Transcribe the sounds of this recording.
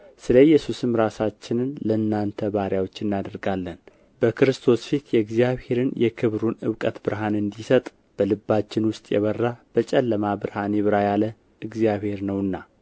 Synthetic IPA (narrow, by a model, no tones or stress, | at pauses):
sɨləjːɛsusɨmɾasat͡ʃːɪnɨnləɨnːant̪ʰəβaɾjawo̞t͡ʃːɨnːad̪əɾɡalːən | bəkʰɨɾɨst̪ʰo̞sfit̪jɛɨɡzijaβhe̞ɾɨnjɛkʰɨβɾunɨβkʼət̪bɨɾɦanɨnd̪isət̪ʼ | b̥əlɨbːat͡ʃːɪnwʊst̪ʼjɛ̰βərːab̥ət͡ʃʼɛlːəmabɨɾhanɛβɨɾajalə | ɨɡzijaβhe̞ɾnəwɨnːa